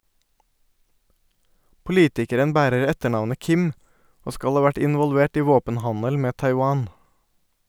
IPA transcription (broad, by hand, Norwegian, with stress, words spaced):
pʊˈliːtɪkəɾən ˈbæːɾəɾ ˈɛtəˌɳɑʋnə ˈkɪm ˈoː ˈskɑʎ ˈhɑː ˈʋæʈ ˌɪnʋɔlˈʋeːʈ ˈiː ˈʋoːpənˌhɑɲəl ˈmeː ˌtɑɪˈwɑːn